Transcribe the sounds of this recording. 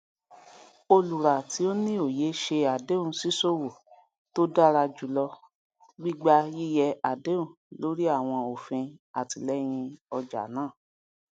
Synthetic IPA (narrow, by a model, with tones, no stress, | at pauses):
o˧lu˨ɾa˨ti˨˦o˦nĩ˦o˦˨je˨˦ʃe˧a˨de˦ũ˧˦si˦so˦wo˨ | to˦da˦˨ɾa˧d͡ʒu˨lɔ˧ | ɡ͡bi˦ɡ͡ba˦ji˦jɛ˧a˨de˦ũ˦˨ | lo˨˦ɾi˦a˦˨w̃ɔ̃˧o˨fĩ˧a˨ti˨lɛ˦j̃ĩ˧ɔ˧d͡ʒa̰˨nãː˦˨